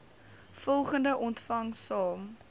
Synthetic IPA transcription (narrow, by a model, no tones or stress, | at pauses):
fɔlˠχəndəʔɔntfɐŋsɑːm